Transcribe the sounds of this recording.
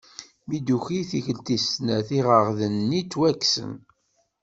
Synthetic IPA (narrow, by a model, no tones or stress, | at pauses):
mid̪uçiθiçəlt̪isnæθiʁəʁðənːit͡sːwækːsə̰n